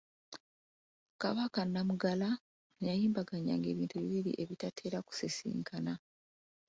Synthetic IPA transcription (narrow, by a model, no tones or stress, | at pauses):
kaβakanːamuɡala | jajiːmbaɡaɲa̰ŋɡe̞ːβiːntuβiβiɾḭʔe̞βitatʰe̞ːɾaku̥sesḭːŋkʰana